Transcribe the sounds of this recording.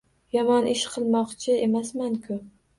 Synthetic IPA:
jɒmɒnɪʃqʰɨlˠmɒqt͡ʃʰɪe̞masmaŋkʰʊ

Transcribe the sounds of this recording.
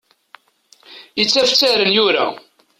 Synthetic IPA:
jət͡sːæft͡sːæɾənjʊɾa̰

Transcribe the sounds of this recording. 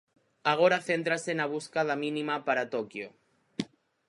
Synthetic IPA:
aɣ̞oɾaθe̞nt̪ɾasenaβ̞uskað̞amĩnimapaɾat̪okjo

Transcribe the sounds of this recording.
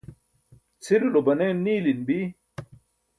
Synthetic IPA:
t͡sʰiɾilobɐneːnːiːlinbi

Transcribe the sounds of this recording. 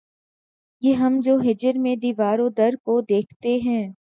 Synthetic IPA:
jeɦɐmd͡ʒoːɦɪd͡ʒəɾmẽd̪iːʋaːɾõd̪ɐɾkod̪eːkʰt̪eɦɛ̃ː

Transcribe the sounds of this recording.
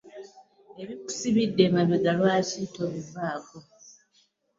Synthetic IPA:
eβiku̥siβidːe̞maβoɡalwaːcitoβibːaːko

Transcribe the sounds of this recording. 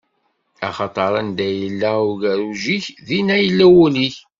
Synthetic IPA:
ɑ̰χɑt̪ˤɑɾˤɑnd̪æjəlːæʊʝæɾuʒiçðinæjəlːæwuliç

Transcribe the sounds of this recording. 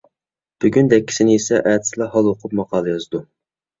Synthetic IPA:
b̥yɡʲynd̪ɛkʲːi̥sɪnɪisɛʔæːt̪ʰɪ̥slˠɑɦɑlˠwoqʰʊp̚mɑqɑːlˠɨjɑzd̪u

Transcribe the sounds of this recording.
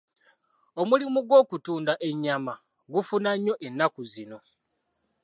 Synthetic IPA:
omulimuɡwo̞ːkutuːndaʔe̞ɲːama | ɡufunaɲːo̞ʔe̞nːakuzino̞

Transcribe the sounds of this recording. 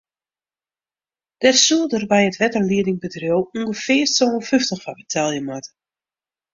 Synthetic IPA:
d̥ɛrsuədərbɛjətʋɛtərliədɪŋbədrjowuŋɡəfɪərsowəføftəχfabətʰalˠjəmatə

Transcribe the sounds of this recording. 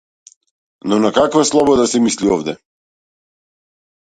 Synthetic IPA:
nɔnakakvaslˠɔbɔd̪asɛmisliɔvd̪ɛ

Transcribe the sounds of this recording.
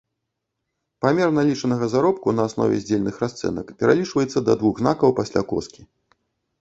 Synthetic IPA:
pamʲɛrnalʲit͡ʂɐnɐɣɐzaɾɔp̚kunɐːsnɔ̰vʲɛ̰zʲd͡zʲelʲnɨxɾast̪sɛ̰nɐkpʲɛɾalʲit͡ʂvɐjɛt̪sːɐd̪ɐd̪vuɣznakɐwpasʲlʲakɔ̰skʲi

